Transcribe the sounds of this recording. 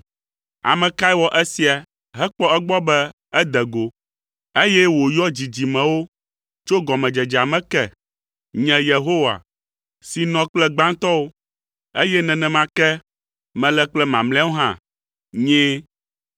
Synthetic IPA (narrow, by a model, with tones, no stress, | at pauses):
a̰˨mɛ̃˨ka˦i˦wɔ˦ʔɛ˦si˨a˨ | ɦɛ˦k͡pɔ˦ɛ˦ɡ͡bɔ˦bɛ˦ | ɛ˦d̪ɛ˨ɡo˨ | e˦jɛ˦wo˨jɔ˦d͡ʑi˨d͡ʑi˨mɛ̃˨wo˦ | t͡ʃo˦ɡɔ˨mɛ̃˨d͡ʒɛ˨d͡ʒa˨mɛ̃˦kɛ˦ | ɲɛ̃˨je˨ɦo˦wa̰˨ | si˨nɔ̃˨k͡plɛ˦ɡ͡bã˦ŋt̪ɔ˦wo˦ | e˦jɛ˦nɛ̃˨nɛ̃˨mã˦kɛ˦ | mɛ̃˨lɛ˦k͡plɛ˦mã˨mlɛ̃˦wo˦ɦã˦˨ | ɲɛ̃˦